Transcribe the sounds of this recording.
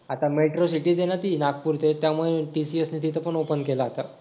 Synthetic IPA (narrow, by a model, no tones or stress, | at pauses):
at̪ameʈɾosiʈiːd͡zenat̪iːnakpuɾt̪et̪jamuɭeʈisiesnit̪ʰit̪əpəɳopənkelaɦːt̪a